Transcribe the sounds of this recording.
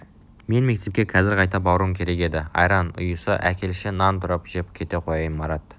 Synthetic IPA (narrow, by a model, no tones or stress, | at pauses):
me̞nme̞k̚t̪e̞p̚kʲekʲʰɑzɪɾqʰɑjt̪ɑp̚bɑwɾuəmkʲʰe̞ɾe̞ke̞d̪ɪɑ̰jɾɑnʊ̰jəsə̰ʔækʲe̞lʃɪnɑnt̪ʰʊɾəpʒepkʲʰe̞t̪e̞qʰo̞jɑjəmbɑɾɑt̪